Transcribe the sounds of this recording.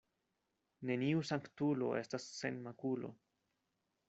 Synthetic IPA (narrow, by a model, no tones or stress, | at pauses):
ne̞niusaŋktulo̞̰ʔe̞stasːe̞nmakulo̞̰